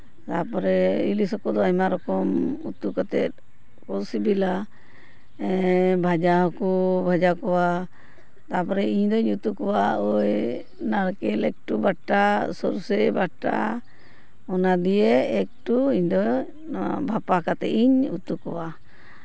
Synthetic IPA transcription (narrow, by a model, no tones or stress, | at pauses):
t̪apɔɾɛilisɔkɔd̪ɔamaɾɔkɔmut̪ukat̪ɛ̰t̪̚ | kɔlsibila | bʱad͡ʒaɦɔkubʱad͡ʒakɔwa | t̪apɔɾɛiɲd̪ɔiɲut̪ukɔwaɔj | naɾkɛlɛk̚ʈubaʈasɔɾsɛbaʈa̰ | ɔnad̪ijeːk̚ʈuiɲd̪ɔ | bʱapakat̪ɛ̰ʔiɲut̪ukɔwa